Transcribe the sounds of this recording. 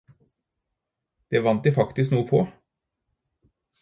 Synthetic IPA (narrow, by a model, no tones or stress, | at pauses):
d̪̥eːʋɑnt̪̚d̪ifɑkt̪ɪs̬knuːəpʰɔː